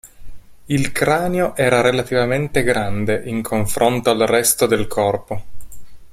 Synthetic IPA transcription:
ilkɾaːneoʔɛːɾaɾelat̪ivament̪eɡɾand̪eʔiŋkʰoɱfɾont̪oalrɛst̪od̪elkʰɔrpo

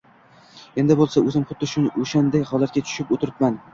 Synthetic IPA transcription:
e̞nd̪ɪbolˠsaɵzɪmχʊt̪d̪ːɪʃʊnoʃand̪ajhɒlˠat̪̚ɡʲat̪ʰʊ̥ʃɪpot̪ʰɪɾɪpman

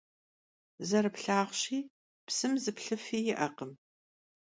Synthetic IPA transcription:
zɐɾɨpɬaːʁɕiː | psɨmzɨpɬɨfiːjɪʔɐqəm

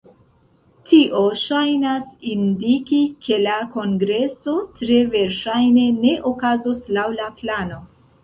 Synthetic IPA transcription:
tʰiʔo̞ʃajnasindikikʰe̞lako̞ŋɡɾe̞so̞tɾe̞ve̞ɾʃajne̞ne̞ʔokazoslawlaplano̞

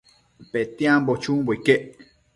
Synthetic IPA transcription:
pet̪iãmbot͡ʃũboikeʔ

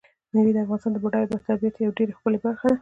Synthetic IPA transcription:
nawid̪əafɣɑnɪst̪ɑnd̪əboɖɑjbat̪abijat̪jawɖeɾaxpəlebaɾxad̪a

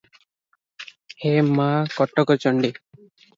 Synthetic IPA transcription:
hemakɔʈɔkɔt͡ʃɔɳɖi

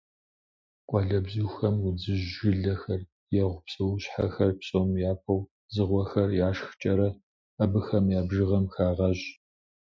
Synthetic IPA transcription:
qʷʼɑɮɐbʑixɐmʊd͡zɨʒʒɪɮɐxɐr | jɛʁʷʊpsʼɨwɕħa̰xɐrpɕʼomjaːpʰɐw | zɨʁʷɔxɐrjaːʂxt͡ʃʼɐɾɐ | ɐbɨxɐmjaːbʒɨʁɐmxaːʁɐʑ

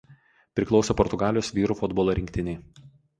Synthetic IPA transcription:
pʲɾʲɪklˠɒʊsʲopɔɾt̪ʊɡɑːlʲjoːsʋʲiːɾuːfʊd̪boɔlˠɐɾʲɪŋʲkʲt̪ʲɪnʲɛɪ

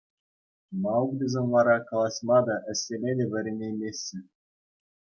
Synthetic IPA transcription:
mɑwukd̪ʲezʲenʋɑɾɑkɑlˠɑsmɑd̪ɑʔɘ̆sʲːelʲedʲeʋʲɘ̆ɾʲenʲemʲesʲːɘ̆

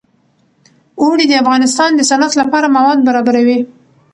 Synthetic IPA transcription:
oɽid̪əafɣɑnɪst̪ɑnd̪əsanat̪lapɑɾamawɑd̪̚baɾɑbaɾawi

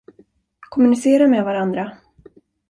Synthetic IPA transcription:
kʰɔmɵnɪseːɾamɛd̪vaɾand̪ɾa

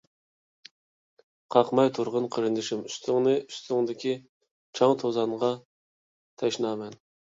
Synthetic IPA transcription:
qʰɑqmɑjt̪ʰʊɾʁənqʰəɾɨnd̪ɪʃɪmyst̪ʰɪŋnɨyst̪ʰɪŋd̪ɪkʲʰi | t͡ʃʰɑŋt̪ʰozɑnʁɑ | t̪ʰɛʃnɑːmɛn

